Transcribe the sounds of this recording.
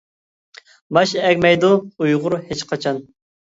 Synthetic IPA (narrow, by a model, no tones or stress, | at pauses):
mɑʃɛkʲmɛjd̪uujʁʊɾhet͡ʃqʰɑt͡ʃʰɑn